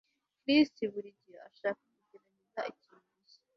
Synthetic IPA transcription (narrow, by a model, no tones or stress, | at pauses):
kɾistiβuɾiɟijoa̰ʃaːkakuɟeɾaɲizaʔici | uzi